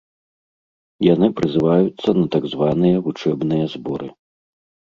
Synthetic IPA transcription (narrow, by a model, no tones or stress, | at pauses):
janɨpɾɨzɨvajut̪sːɐnɐt̪aɡzvanɨjɐvut͡ʂɛbnɨjɐzbɔɾɨ